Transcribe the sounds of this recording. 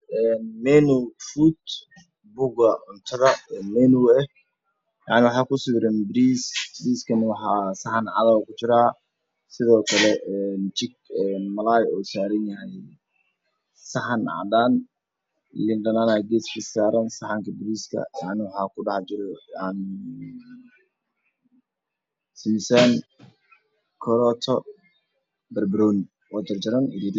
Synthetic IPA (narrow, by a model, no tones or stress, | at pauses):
ʔɛːnmɛnufut̪ | bʊɣɐʕʊnt̪ʰɐðɐɛmɛnuɛh | jɑ̰ʕnɪwɑħɑːkʊsɪbɾɛnbɪɾiːsbɾiːskʰɐnɪwɑħɑsɑħɑnʕɑ̰ðaːwkʰʊt͡ʃɪɾaː | sɪðɔːkʰɐlɛɛːnt͡ʃɪɡ̚ɛːnmɐlaːjɔːsaːɾɐnjɐɦɛj | sɐħɑnʕɑ̰d̪an | lɪnɖɐnanaːɡɛsbisaːɾɐnsɑħɑŋkʰɐbʊɾiːskʰɐ̰ʕnwħɑːkʰʊɖɑħt͡ʃɪɾɛn | simsan | kʰɔɾɔt̪ʰɔ | bɛrbɾun | wad͡ʒɐrt͡ʃɐɾɐnɪɾiːd̪